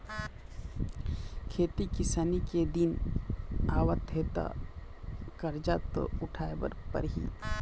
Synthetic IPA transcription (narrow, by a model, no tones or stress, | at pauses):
kʰeːt̪ikɪsaːniked̪in | aːwət̪ɦeːt̪a̰ | kəɾd͡ʒat̪o̰ʊʈʰaːebə̰ɾpə̰ɾɦḭ